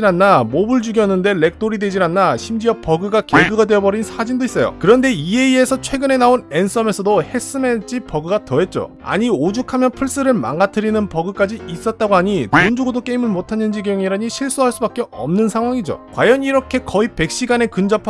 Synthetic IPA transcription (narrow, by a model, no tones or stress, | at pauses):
inanːamobɯɭd͡ʑuɡjʌnːɯnde̞le̞k̚t͈oɾidwe̞d͡ʑinanːaɕʰimd͡ʑiʌp͈ʌɡɯɡakeɡɯɡadwe̞ʌbʌɾinsʰad͡ʑindois͈ʌjo̰kɯɾʌnde̞ie̞ie̞sʰʌt͡ɕʰwe̞ɡɯne̞naone̞ns͈ʌme̞sʰʌdohe̞s͈ɯmet͡ɕ͈ipʌɡɯɡatʌɦe̞t̚t͡ɕ͈o̰ | a̰ɲiod͡ʑukʰamjʌnpʰuɭs͈ɯɾɯɭma̰ŋɡatʰɯɾinɯnpʌɡɯk͈ad͡ʑiis͈ʌt̚t͈aɡoɦaɲitond͡ʑoɡodok͈eimɯɭmotʰanːɯnd͡ʑiɡejoŋiɾaɲiɕʰiɭs͈uɦaɭs͈ubak͈̚eʌ̰mnɯnsʰaŋɦwaŋid͡ʑo̰kwajʌɲiɾʌkʰe̞kʌipe̞k̚ɕ͈iɡane̞kɯnd͡ʑʌpʰ